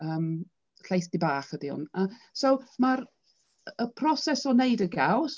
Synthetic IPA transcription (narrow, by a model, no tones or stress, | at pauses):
əːm | ɬejθdibaːχədiʊ̰nasowmaɾ | əpʰrɔsɛsɔnejdəɡaws